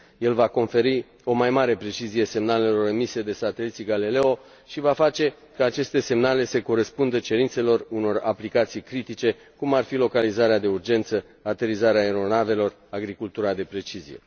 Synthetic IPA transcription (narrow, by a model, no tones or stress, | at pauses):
je̞lvako̞nfe̞ɾi | o̞majmaɾe̞pɾe̞t͡ʃizije̞se̞mnale̞lo̞ɾəmise̞d̪e̞sat̪e̞lit̪siɡalile̞o̞ | ʃivafat͡ʃe̞ | kəat͡ʃe̞st̪e̞se̞mnale̞seko̞ɾe̞spund̪ət͡ʃe̞ɾint̪se̞lo̞runo̞raplikat̪sijkɾit̪it͡ʃe̞ | kumarfilo̞kalizaɾead̪e̞urd͡ʒe̞nt̪sə | at̪e̞ɾizaɾeaeɾo̞nave̞lo̞r | aɡɾikult̪uɾad̪e̞pɾe̞t͡ʃizḭje̞̰